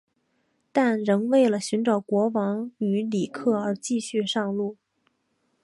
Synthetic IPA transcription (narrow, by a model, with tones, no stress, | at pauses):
t̪a˥˩nɻɤ˧˥ŋwe˥˩ɪlə˩ɕy˧˥nʈ͡ʂɑ˨˩ʊkwɔ˧˥wɑ˧˥ŋy˧˥li˨˩kʰɤ˥˩ə˞˧˥t͡ɕi˥˧ɕy˥˧ʂɑ˥˧ŋlu˥˩